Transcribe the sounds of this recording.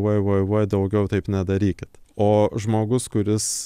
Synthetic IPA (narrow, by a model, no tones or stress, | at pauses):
ɔɪʋɔɪʋoɪd̪ɐʊɡʲɛʊt̪ɐɪpnʲæd̪ɐɾʲiːkʲɪt̪oːʒmoːɡʊskʊɾʲɪs